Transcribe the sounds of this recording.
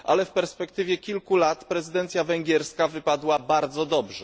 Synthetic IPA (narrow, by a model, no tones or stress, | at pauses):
ʔa̰lɛfpɛɾspɛkt̪ɘvʲjɛkʲilkulat̪pɾɛzɘd̪ɛnt̪sʲjavɛŋɡʲjɛɾskavɘpad̪wabaɾd̪zɔd̪ɔbʐɛ